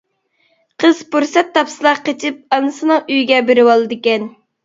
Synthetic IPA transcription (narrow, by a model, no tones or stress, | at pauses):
qʰəz̥puɾsɛt̪ʰːɑpsɨlˠɑqːet͡ʃʰɪp̚ɑnɨsɨnɨŋyjɡʲɛbeɾɪwɑlˠɨd̪ɪkʲɛn